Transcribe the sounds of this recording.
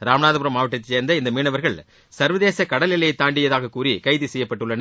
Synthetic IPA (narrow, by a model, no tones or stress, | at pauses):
ɾaːmɐnaːðɐbʊɾɐmaːʋɐʈːɐt̪ːɪt͡ʃeːɾnd̪ɐɪnd̪ɐmiːɳɐʋɐɾɣɐɭ | sɐɾʋɐðeːsɐkɐɽɐlɪlːɐjɐɪt̪ːaːɳɖɪjɐðaːɣɐkːuːɾikɐɪðisɛjːɐpːɐʈːɯɭːɐnɐ